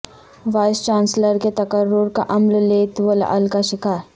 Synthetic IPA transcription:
ʋaːɪst͡ʃaːnsləɾket̪ɐkəɾːʊɾka̰ʔɐmlleːt̪ʋəl̰ʔɐ̰lkaʃɪkaːɾ

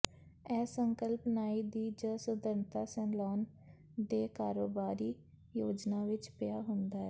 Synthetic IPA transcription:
ɛːsəŋkəlpnaːiːd̪iːd͡ʒəsʊd̪əɾnt̪aːsɛnlɔːn | d̪eːkaːɾoːbaːɾiː | joːd͡ʒnaːʋɪt͡ʃpɪjaːɦʊnd̪aːɛ

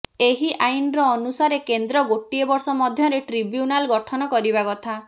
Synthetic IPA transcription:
eɦiʔajnɔɾɔːnusaɾekend̪ɾɔɡoʈiebɔɾsɔmɔd̪ʱjɔɾeʈɾibjunalɡɔʈʰɔnɔkɔɾibakɔt̪ʰa

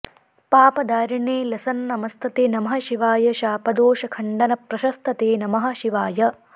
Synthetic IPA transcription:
paːpɐd̪aːɾiɳeːlɐsɐnnɐmɐst̪ʰɐt̪eːnɐmɐɦɐʃiʋaːjɐʃaːpɐd̪oːʃɐkʰɐɳɖɐnɐpɾɐʃɐst̪ʰɐt̪eːnɐmɐɦɐ̆ʃiʋaːjɐ

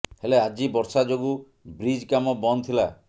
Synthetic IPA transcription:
helead͡ʒibɔɾsad͡ʒoɡu | bɾid͡ʒkamɔbɔnt̪ʰila

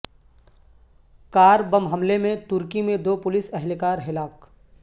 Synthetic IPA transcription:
kaːɾbɐmɦɐmlemẽt̪ʊɾkimẽd̪oːpʊlɪsɛɦlkaːɾɦɪlaːk

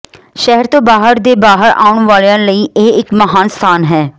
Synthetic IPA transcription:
ʃɛɦəɾt̪õːbaːɦəɾd̪eːbaːɦəɾa̰ːʊɳʋaːlejãːləiːʔeːɪkməɦaːnst̪ʰaːnɦɛː

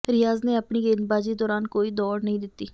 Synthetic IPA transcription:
ɾɪjaːzneːəpɳiːɡenbaːd͡ʒiːd̪ɔːɾaːnkoːiːd̪ɔːɽnəɦĩːd̪ɪt̪ːiː

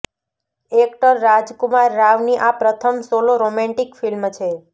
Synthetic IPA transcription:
ek̚ʈəɾːad͡ʒkumaɾːaʋniʔapɾət̪ʰəmsoloɾomɛ̃ɳʈikfilmt͡ʃʰe

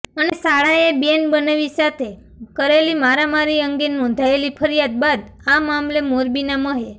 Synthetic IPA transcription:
ənesaɭaebjenbənaʋisat̪ʰe | kəɾelimaɾamaɾiəŋɡenɔ̃nd̪ʱaelipʰəɾjat̪̚bad̪ | amamlemoɾbinaməɦe

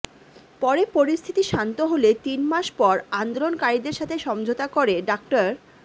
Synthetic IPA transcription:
pɔɾepoɾist̪ʰit̪iʃant̪oɦolet̪inmaʃpɔɾand̪olonkaɾid̪eɾʃat̪ʰeʃɔmd͡ʑʱot̪akoɾeɖakʈaɾ

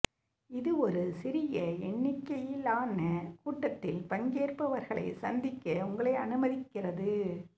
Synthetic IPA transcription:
ɪðɯɔɾɯsɪɾɪjɐɛɳːɪkːɐjɪlaːnɐkuːʈːɐt̪ːɪlpɐɲɡeːrpɐʋɐɾɣɐɭɐ̰ɪsɐnd̪ɪkːɐʊŋɡɐɭɐɪɐ̰nɯmɐðɪkːɪrɐðɯ

